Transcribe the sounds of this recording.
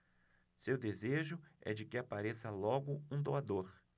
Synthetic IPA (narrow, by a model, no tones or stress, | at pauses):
sewd̪ezeʒʊɛ̰d͡ʒɪkɪapaɾesɐlɔɡʊũd̪oad̪oɾ